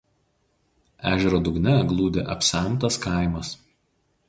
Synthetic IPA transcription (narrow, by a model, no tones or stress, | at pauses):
æːʒʲɛɾoːd̪ʊɡnʲɛɡlˠuːd̪ʲeʔɐpʲsʲɛˑmˑt̪ɐskɑˑɪmɐs